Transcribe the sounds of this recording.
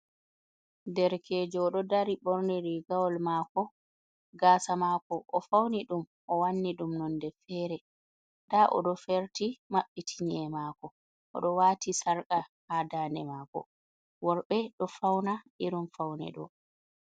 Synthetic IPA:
dɛɾkʰeːd͡ʒɔɔɗɔdaɾiɓɔɾnɛɾiɡawɔlmaːkɔ | ɡaːsamaːkɔʔɔfawniɗum | ʔɔwanːiɗumnɔndɛfɛːɾɛ | taʔɔ̰ɗɔfɛɾtimaɓːitʰiɲiɛmaːkɔ | ʔɔ̰ɗɔwaːtisaɾkʼahadaːnɛmaːkɔ̰ | wɔɾɓɛɗɔfawnaʔiɾumfawnɛ̰ɗɔ̰

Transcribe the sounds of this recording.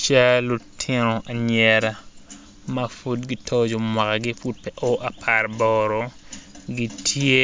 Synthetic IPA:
t͡ʃalutʰinɔʔaɲɛɾa | mafutɡitʰɔd͡ʒɔmwakaɡifut̚pɛʔɔʔapʰaɾbɔːɾɔ | ɡitʰie

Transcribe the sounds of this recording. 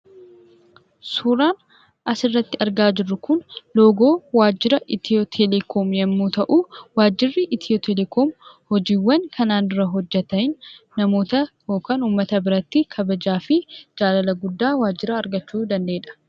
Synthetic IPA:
suːɾaːn | ʔɐsɪrːɐt̪ːɪɐɾɡaːd͡ʒɪrːʊkʊnlo̞ːɡo̞ːwaːd͡ʒːɪɾɐʔɪt̪ɪot̪ʰɛlɛkʰoːmjɛmːuːt̪ɐʔuːwaːd͡ʒːɪrːɪʔɪt̪ʰɪjot̪ʰɛlɛkoːmhɔd͡ʒiːwːɐŋkɐnaːnɪɾɐɦɔd͡ʒːɛt̪ɐɪnːɐmo̞ːt̪ɐjoːkɐnuːmːɐt̪ɐbɪɾɐt̪ːɪkʰɐbɐd͡ʒaːfɪd͡ʒaːlɐlɐɡʊd̪ːaːwaːd͡ʒːɪɾɐɐɾɡɐt͡ʃːuːd̪ɐnd̪e̞ːᶑɐ̥

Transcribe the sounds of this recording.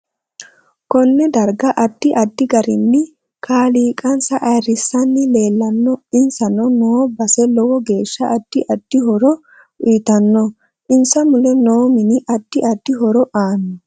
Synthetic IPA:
kɔnːɛd̪ɐɾɡɐʔɐd̪̥ːɪʔɐd̪ːɪɡɐɾɪnːɪ | kʰaːliːkʼɐnsɐʔɐjrɪsːɐnːɪle̞ːlːɐnːɔɪnsɐnɔnoːbɐsɛlɔwɔɡe̞ːʃːɐʔɐd̪̥ːɪʔɐd̪̥ːɪhɔɾɔ | iːt̪ɐnːɔ | ʔɪnsɐmʊlɛnoːmɪnɪʔɐd̪̥ːɪʔɐd̪̥ːɪɦɔɾɔʔaːnːɔ

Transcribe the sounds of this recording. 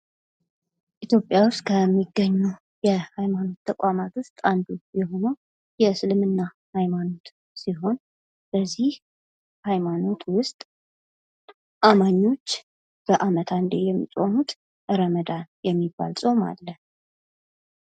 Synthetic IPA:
ʔit̪ʰjo̞pʼːjawʊst̪̚ʼkʰəmːiɡːəɲːu | jɛhajmano̞t̪ːʰəkʷʼamat̪wʊst̪ʼand̪ujɛɦo̞nəw | jɛsɨlɨmɨnːa | hajmano̞t̪ | siɦo̞n | b̥əzːih | hajmano̞t̪ʰwʊst̪ʼ | ʔamaɲːo̞t͡ʃː | b̥əʔamət̪ʰand̪ejɛmːḭsʼo̞nut̪ | ʔɨɾəməd̪ajɛmːibːa̰lsʼo̞ma̰lːə

